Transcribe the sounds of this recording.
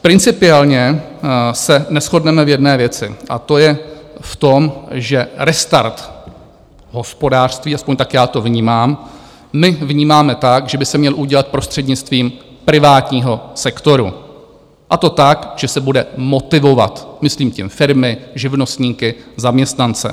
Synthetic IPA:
pɾɪnt͡sɪpɪɛlɲɛ | sɛnɛsxo̞dnɛmɛvjɛdnɛːvjɛt͡sɪʔa̰t̪o̞jɛft̪omʒɛɾɛst̪a̰ɾt̪ | ɦo̞spo̞daːr̝̥st̪viːʔaspoɲt̪akjaːt̪o̞vɲiːmaːmː | ɪvɲiːmaːmɛt̪akʒɛbɪsɛmɲɛlʔuɟɛlat̪̚pɾo̞st̪r̥ɛdɲɪt͡st̪viːm | pɾɪvaːt̪ɲiːɦo̞sɛkt̪o̞ɾṵ | ʔat̪o̞t̪akʒ̥ɛsɛbudɛmo̞t̪ɪvo̞va̰t̪mɪsliːmcɪmfɪɾmɪʒɪvno̞st̪ɲiːkɪzamɲɛst̪nant͡sɛ̰

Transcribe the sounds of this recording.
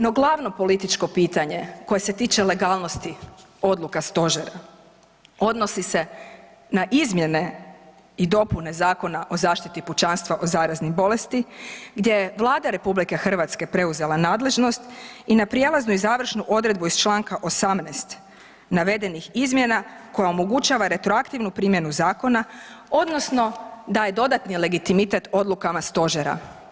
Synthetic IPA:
no̞ɡlˠaʋno̞po̞lit̪it͡ʃko̞piːt̪aɲe̞ko̞je̞se̞t̪iːt͡ʃe̞le̞ɡaːlˠno̞st̪i | o̞d̪lˠukast̪o̞ʒeɾa | o̞d̪no̞sise̞ | naʔizmje̞ne̞ | id̪o̞pune̞zaːko̞naʔo̞zaːʃt̪it̪iput͡ʃanst̪ʋaʔozaːɾaznibo̞le̞st̪iɡd̪je̞jeʋlˠaːd̪aɾe̞publike̞xr̩ʋat̪ske̞pɾe̞uze̞lˠanaːd̪le̞ʒno̞st̪inapɾijelˠaznuizaːʋr̩ʃnuʔo̞d̪ɾe̞d̪buiz̥t͡ʃlˠaːŋkaʔosamnɛːst̪ | naʋe̞d̪e̞nixizmje̞nako̞jaomo̞ɡut͡ʃaʋaɾe̞t̪ɾo̞akt̪iʋnupɾimjenuzaːko̞nao̞d̪no̞sno̞d̪aje̞d̪o̞d̪at̪nile̞ɡit̪imit̪e̞t̪o̞d̪lˠukamast̪o̞ʒeɾa̰

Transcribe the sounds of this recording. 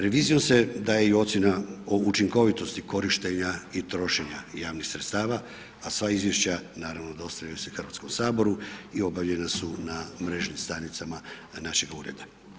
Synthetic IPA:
ɾe̞ʋiːzijo̞mse̞d̪aːjeaiuo̞t̪sje̞naout͡ʃiŋko̞ʋit̪o̞st̪iko̞ɾiʃt̪e̞ɲait̪ɾo̞ʃe̞ɲajaːʋnixsɾet̪st̪aːʋa | asʋaizjeʃt͡ɕanaːɾaʋno̞d̪o̞st̪aʎajusexr̩ʋat̪ko̞msaːbo̞ɾuio̞baʋʎe̞nasunamɾe̞ːʒnimst̪anit̪samanaʃe̞ɡuːɾe̞̰d̪a

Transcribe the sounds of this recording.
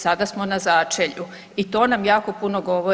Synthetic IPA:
sad̪asmonazaːt͡ʃeʎu | it̪oːnamjaːko̞punoɡo̞ʋo

